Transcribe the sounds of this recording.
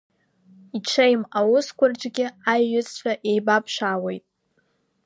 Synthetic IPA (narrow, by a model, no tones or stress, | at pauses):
iʈ͡ʂʷʰejmawʊskʷʰarʈ͡ʂʼɡʲɪajːʊt͡sʰʼt͡ɕʷʰaʔe̞jbapʰʃʷaːwe̞jtʼ